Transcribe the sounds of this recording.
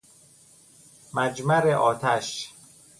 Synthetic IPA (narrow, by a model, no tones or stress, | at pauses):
mæd͡ʒmæɾeʔɒːt̪ʰæʃ